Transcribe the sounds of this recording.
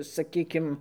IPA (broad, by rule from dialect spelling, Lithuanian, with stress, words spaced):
sɐˈkʲiːkʲɪm